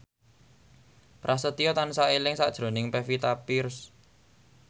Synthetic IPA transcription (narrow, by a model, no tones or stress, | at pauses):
pɾʔasət̪iɔt̪ansaʔelɪŋsa̰ʔd̥ʒ̥ɾo̤nɪŋpefit̪apirs